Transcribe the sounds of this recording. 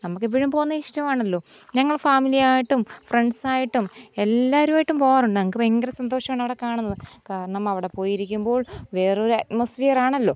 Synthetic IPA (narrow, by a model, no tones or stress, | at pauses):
nɐmukːɨipːiɻumpoːɣunːɐiʂʈɐmaːɳɐlːo̞ːɲɐŋːɐɭfaːmilijaːjiʈːumfreɳɖsaːjiʈːume̞lːaːʋɐɾumaːjiʈːumpo̞ːɣaːnːuɳɖɨnɐmukːɨeŋɡɐɾɐsɐnd̪o̞ːʂɐmaːɳɐʋiɽe̞kaːɳunːɐðɨkaːɾɐɳɐmɐʋiɽe̞poːjiɾikʲːumbo̞ːɭʋe̞ːreo̞ɾɐtmɐsfiːɐraːɳɐlːo̞ː